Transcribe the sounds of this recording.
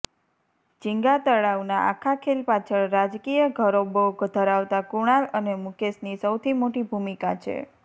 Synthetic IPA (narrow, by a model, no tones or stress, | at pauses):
d͡ʒiŋɡat̪əɭaʋnaʔa̰kʰakʰelpat͡ʃʰəɭɾad͡ʒkijəɡʱəɾoboɡʱd̪ʱəɾaʋt̪akuɽ̃alənemukesnisəwt̪ʰimoʈibʱumikat͡ʃʰḛ